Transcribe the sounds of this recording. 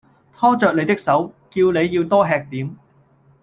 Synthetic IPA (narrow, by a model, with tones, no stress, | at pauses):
t̪ʰɔː˥t͡ʃœː˨k̪̚e˨˧jt̪ɪ˥k̚sɐ˨˥wkiː˧wne˨˧jːiː˧wt̪ɔː˥ɦɛː˧k̚t̪iː˨˥m